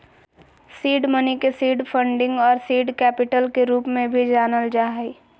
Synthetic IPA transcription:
siːɖmənikesiːɖpʰə̃ɳɖɪ̃ŋɡɔːɾsiːɖkɛːpɪʈəlkeɾuːpmẽbʱid͡ʒaːnəld͡ʒaːɦi

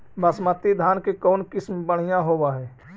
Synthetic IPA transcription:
bəsmət̪ːid̪ʱaːnkekɔːnkɪsmbəɽ̤̃ijãɦoːwaɦɛː

